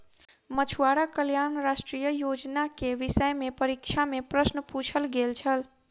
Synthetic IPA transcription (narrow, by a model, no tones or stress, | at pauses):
mət͡ʃʰuaɾakəljanɾasʈɾijəjod͡ʒnakeʋisəjmepəɾikt͡ʃʰamepɾəsnəput͡ʃʰəlɡelt͡ʃʰəl